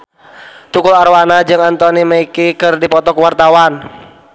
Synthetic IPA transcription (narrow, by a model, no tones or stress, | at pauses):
t̪ukʊlaɾwanad͡ʒɨŋant̪ɔniməikikɨrdipɔt̪ɔkuwart̪awan